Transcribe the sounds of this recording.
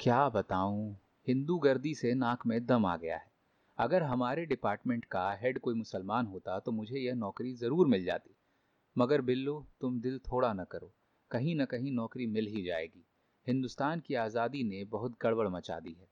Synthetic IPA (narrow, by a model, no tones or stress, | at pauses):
kjaːbɐt̪aːũ | hɪ̃nd̪uɡɐɾd̪isenãːkʰmẽd̪ɐma̰ːɡɐja̰ɦɛː | ɐɡəɾɦɐmaːɾeɖɪpaːɾʈmẽɳʈkaɦɛɖkoːimʊsəlmaːnɦoːt̪at̪omʊd͡ʒʱejɐɦnɔːkɾizɐɾuːɾmɪld͡ʒa̰ːt̪i̥ː | mɐɡəɾbɪlːot̪ʊmd̪ɪlt̪ʰoːɽanɐkɐɾoː | kɐɦĩnɐkɐɦĩnɔːkɾimɪlɦid͡ʒa̰ːḛːɡiː | hɪ̃nd̪ʊst̪aːnkiaːzaːd̪inebɐɦʊt̪ɡɐɽwəɭmɐt͡ʃa̰ːd̪iɦɛː